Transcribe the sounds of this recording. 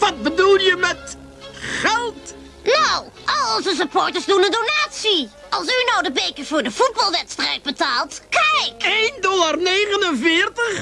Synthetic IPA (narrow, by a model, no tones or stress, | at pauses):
ʋɑt̚bədulˠjəmɛt | χɛlˠt | now | ʔɑlˠzəs̬əpɔːɹtəɹsdunəndonaːtsi | ɑlˠs̬ynɔwdəbejkəv̥ʊːɹdəv̥ud̚bɑlˠʋɛtstrɛjd̚bətaːlˠtkɛjkejndɔlarnejχənənvɪːrtəχ